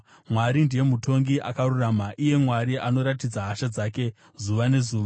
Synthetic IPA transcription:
mwaɾindije̞mutʰo̞ŋɡiʔa̰karuramaʔije̞mwaɾiʔano̞ɾatid͡zaɦaʃad͡zaːke̞ | zuʋane̞zuːʋa

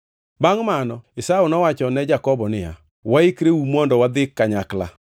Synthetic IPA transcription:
baŋmanɔɪsaunɔwat͡ʃɔnɛd͡ʒakɔbɔnɪja̰ | waɪkɾeumɔndɔwad̪ɪkːaɲakla̰

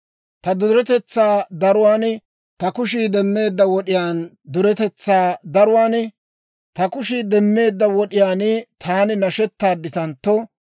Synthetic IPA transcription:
t̪ɐd̪ʊɾɛt̪ɛt͡sːaːd̪ɐɾʊwaːn | t̪ɐkʊʃ̬iːd̪ɛmːe̞ːd̪ːɐwɔɗɪjaːn | d̪ʊɾɛt̪ɛt͡sːaːd̪ɐɾʊwaːn | t̪ɐkʊʃiːd̪ɛmːe̞ːd̪ːɐwɔɗɪjaːnt̪ʰaːnɪnɐʃɛt̪ːaːd̪ːɪt̪ɐnt̪ːɔ

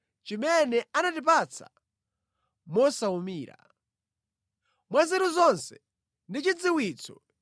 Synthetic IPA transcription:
t͡ʃimɛnɛanatipat͡sʰa̰ | mɔsaumiːɾa̰ | mwazɛɾuzɔnsɛ̥ | ndit͡ʃid͡ziwiːt͡sʰɔ

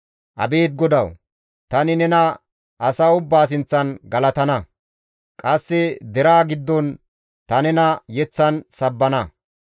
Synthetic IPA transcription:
ʔɐ̰be̞ːt̪̚ɡɔd̪ɐw | t̪ɐnɪnɛnɐ | ʔɐsaːʊbːaːs̬ɪnt͡sːɐnɡɐlɐt̪ɐnɐ | kʼɐsːɪd̪ɛɾaːɡɪd̪ːɔn | t̪ɐnɛnɐjɛt͡sːɐnsɐbːɐnɐ

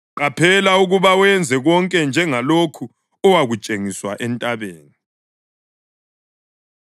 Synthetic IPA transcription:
ǃapʰɛlauɣuβawɛnd͡zʱɛɣɔŋkʼɛnd͡ʒʱɛŋalokʰu | ɔwaɣut͡ʃʼeŋiswaʔɛntʼaβeːni

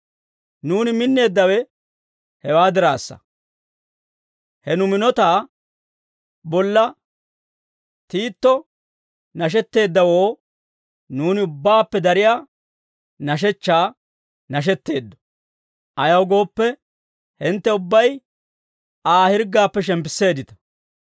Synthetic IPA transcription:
nuːnɪmɪnːe̞ːd̪ːɐwɛ | hɛwaːd̪ɪɾa̰ːsːɐ̰ | hɛnʊmɪnɔt̪aː | bɔlːɐ | t̪iːt̪ːɔ | nɐʃ̬ɛt̪ːe̞ːd̪ːɐwo̞ː | nuːnɪʊbːaːpːɛd̪ɐɾɪjaː | nɐʃ̬ɛt͡ʃːaː | nɐʃ̬ɛt̪ːe̞ːd̪ːɔ̥ | ʔɐjɐwɡo̞ːpːɛ | hɪnt̪ːɛʊbːɐj | aːhɪɾɡaːpːɛʃ̬ɛmpɪsːe̞ːd̪ɪt̪ɐ̥

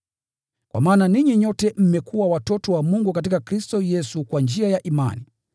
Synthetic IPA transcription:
kwa̰maːnaniɲiɲɔtɛm̩mɛkuwawatɔtɔwamuŋɡukat̬ikakɾistɔjɛsukwand͡ʒiajaʔima̰ni

